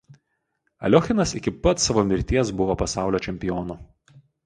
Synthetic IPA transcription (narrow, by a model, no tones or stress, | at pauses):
ɐ̰lʲɔxʲɪnɐsɪkʲɪpɐt̪sɐʋoːmʲɪɾʲt̪ʲiɛsbʊʋoːpɐsɑˑʊlʲoːt͡ʃʲɛmʲpʲɪjɔːnu